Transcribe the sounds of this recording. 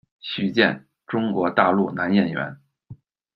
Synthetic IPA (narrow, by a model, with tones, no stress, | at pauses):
ɕy˥˧t͡ɕjɛ̰˥˩n | ʈ͡ʂʊ˥ŋkwɔ˧˥t̪a˥˧lu˥˩na˧˥njɛ˥˩nɥɛ̰˧˥n